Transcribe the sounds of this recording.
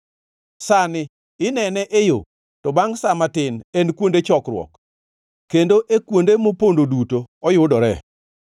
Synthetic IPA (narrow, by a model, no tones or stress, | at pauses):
sanɪ | ɪnɛnɛʔejo̰ | tɔbaŋsamatɪnenkwondet͡ʃɔkɾwɔ̰k | kendoʔekwondemopondodutoɔjʊdɔɾɛ